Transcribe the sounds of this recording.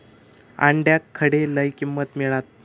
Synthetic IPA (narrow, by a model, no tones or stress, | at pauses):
a̰ɳɖjakʰːəɽeləjkimːət̪miɭat̪̚